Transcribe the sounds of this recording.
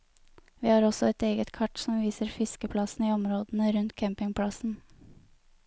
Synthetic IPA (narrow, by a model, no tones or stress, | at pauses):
ʋiːhɑːɾɔsɔɛt̪eːɡət̪kʰɑʈsɔmʋiːsəɾfɪskəpʰlɑsn̩iːɔmɾoːd̪n̩əɾʉnt̪kʰæmpɪŋpʰɽɑsn̩